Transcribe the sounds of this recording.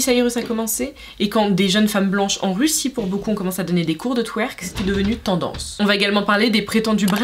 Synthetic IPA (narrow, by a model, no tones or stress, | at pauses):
saiʁøsakɔmɑ̃seː | kɑ̃d̪eʒənfamblɑ̃ʃɑ̰̃ʁysipuʁbokuɔ̃kɔmɑ̃sad̪ɔned̪ekuʁd̪ət̪ʰwɛʁkse̥t̪ɛd̪əvənyt̪ɑ̃d̪ɑ̰̃sɔ̃vaeɡalmɑ̃paʁled̪epχet̪ɑ̃d̪ybʁ